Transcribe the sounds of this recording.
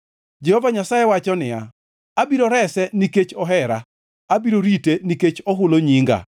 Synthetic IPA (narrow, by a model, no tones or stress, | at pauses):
d͡ʒehɔvaɲasajewat͡ʃɔnɪja̰ | abiɾoɾɛsɛniket͡ʃɔɦɛɾa̰ | abiɾoɾiteniket͡ʃɔɦʊloɲiŋɡa̰